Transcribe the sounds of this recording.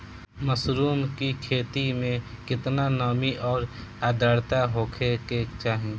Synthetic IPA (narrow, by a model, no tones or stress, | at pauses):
məsɾuːmkikʰeːt̪imẽ | kɪt̪nanɔːmiʔɔːɾaːd̪aːɽt̪aɦoːkʰeket͡ʃaːɦẽ